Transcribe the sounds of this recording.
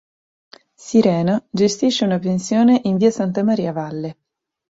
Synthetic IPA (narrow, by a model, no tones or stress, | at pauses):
siɾɛːnad͡ʒest̪iʃːeunapensjoːneʔinviːasant̪amaɾiːavalːe